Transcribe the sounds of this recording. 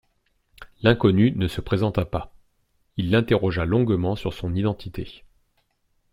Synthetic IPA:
lɛ̃kɔnynəsəpχezɑ̃t̪apa | ilːɛ̃t̪eʁɔʒalɔ̃ɡmɑ̃syʁsɔ̃nid̪ɑ̃t̪ʰit̪e

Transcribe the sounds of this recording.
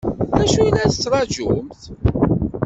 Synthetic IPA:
æʃujnæθə̥t͡sːɾˤɑʒumθ

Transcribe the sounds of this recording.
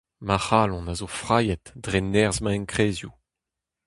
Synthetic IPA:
maχaːlɔ̃nazofʁaːjɛt̪dʁenɛʁzmãɛ̃nkχeːzju

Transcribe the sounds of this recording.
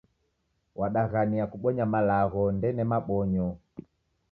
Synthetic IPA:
wʔaɗaɣaniakuɓɔɲamalaɣɔndɛnɛmaɓɔɲɔ

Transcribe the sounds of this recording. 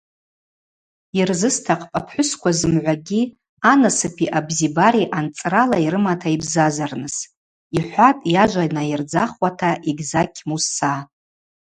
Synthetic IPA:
irzɨstʰaqʼpʼapʰħʷʊskʷazɨmʕʷaɡʲi | anasɨpʰiʔabzibaɾiʔant͡sʼralaiɾɨmatʰaibzazarnɨs | iħʷatʼjaʒʷanajird͡zaχwatʰaʔiɡʲzakʲʰmusːa

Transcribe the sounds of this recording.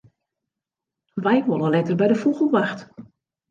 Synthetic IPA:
ʋɛjʋolˠəlɛtərbɛjdəfuɣəlˠʋaxt

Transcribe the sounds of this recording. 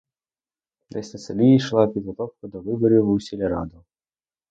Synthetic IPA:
d̪ɛsʲt̪ʲɛsɐlʲijiʃlˠapʲid̪ɣɔt̪ɔwkʊd̪ɔvɨbɔɾʲiwusʲilʲɛɾa̰d̪ɔ

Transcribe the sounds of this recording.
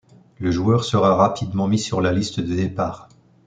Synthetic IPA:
ləʒuœʁsəʁaʁapʰid̪mɑ̃misyʁlalist̪əd̪əd̪epaːʁ

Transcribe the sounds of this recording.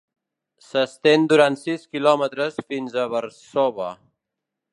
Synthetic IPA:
səst̪end̪uɾant̪siskilɔmət̪ɾəsfinzəβəɾsɔβə

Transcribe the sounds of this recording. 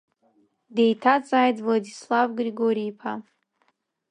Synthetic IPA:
de̞jtʰat͡sʼaːjtvladislavɡriɡoɾiːpʰa

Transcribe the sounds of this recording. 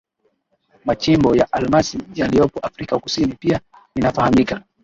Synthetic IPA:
mat͡ʃimbɔjaʔalmasijalijɔpɔʔafɾikaku̥sinipia | ninafahamika

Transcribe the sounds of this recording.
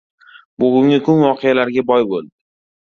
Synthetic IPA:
boɡʲʊŋʲɪkʰʊnvɒqʰejalaɾɡʲabɒjbolˠd̪ɪ

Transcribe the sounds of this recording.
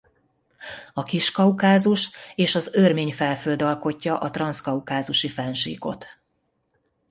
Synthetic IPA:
ɒkiʃkɒukaːzuʃeːʃɒzørmeːɲfɛlføld̪ɒlko̞cːɒʔɒt̪rɒnskɒukaːzuʃifɛnʃḭːko̞̰t̪

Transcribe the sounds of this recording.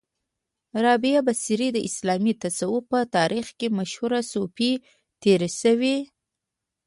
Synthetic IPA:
ɾɑbijabasiɾid̪əʔɪslɑmit̪asawupət̪ɑɾʔixkemaʃhuɾasopi | t̪eɾeʃəwi

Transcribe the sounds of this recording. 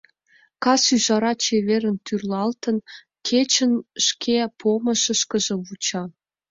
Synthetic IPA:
kɑsyʒɑɾɑt͡ɕeβeɾə̆nt̪yrlɑlt̪ə̆n | kʰet͡ɕə̆nʃkʰepʰomə̆ʃə̆ʃkə̆ʒĕβut͡ɕɑ

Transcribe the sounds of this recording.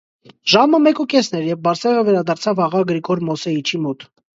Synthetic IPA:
ʒɑməmɛkukɛsnɛɾjɛvbɑɾsɛʁəvɛɾɑd̪ɑɾt͡sʰɑvɑʁɑɡɾikɔɾmɔsɛit͡ʃʰimɔt̪

